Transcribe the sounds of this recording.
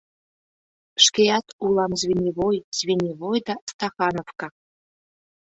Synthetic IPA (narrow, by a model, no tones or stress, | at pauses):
ʃkʲejɑt̪ulˠɑmzvʲenʲiβojz̥βʲenʲiβojd̪ɑst̪ɑxɑnofkɑ